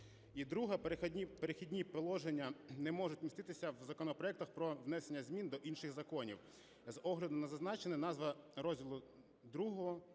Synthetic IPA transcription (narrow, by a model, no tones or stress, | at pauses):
id̪ɾuɦɐpɾʲipeɾexʲidʲnʲipelˠɔʒenʲːɐnɛmɔʒʊtʲmʲist̪ɪt̪ɪsʲɐwzɐkɔnɔpɾɔɛkt̪ɐxpɾɔʋnɛsenʲːɐzʲmʲind̪ɔʔinʃɪɣzɐkɔnʲḭw | zɔɦlʲɐd̪ʊnɐzɐznɑt͡ʃenɛnɑzʋɐɾɔzʲdʲilˠʊ | d̪ɾuɦɔɦɔ